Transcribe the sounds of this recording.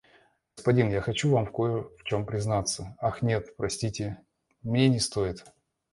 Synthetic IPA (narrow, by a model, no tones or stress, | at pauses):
əspɐdʲinjaxɐt͡ɕuvamfkojəft͡ɕo̞mpɾʲɪznat̪sːəaxnʲe̞t̪pɾɐsʲtʲitʲɪ | mnʲenʲɪst̪o̞ɪt̪